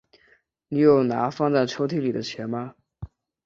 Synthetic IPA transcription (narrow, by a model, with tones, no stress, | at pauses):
ni˨˩jo˥˩ʊna˧˥fɑ˥˧ŋt͡sa˥˩ɪʈ͡ʂʰo˧˥ʊt̪ʰi˥li˨˩d̪ə˦t͡ɕʰjɛ˧˥nmɐ˧